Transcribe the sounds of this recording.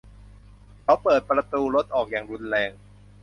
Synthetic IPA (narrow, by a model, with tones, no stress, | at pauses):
kʰa˦˥wpɤː˨˩t̪̚pɾa˧t̪uː˧ɾo˦˥t̪̚ʔɔː˨˩k̚jaː˨˩ŋɾu˧nɾɛː˧ŋ